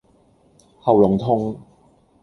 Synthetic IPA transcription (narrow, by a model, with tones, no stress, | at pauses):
hɐ˨wlʊ˨˩ŋt̪ʰʊ˥ŋ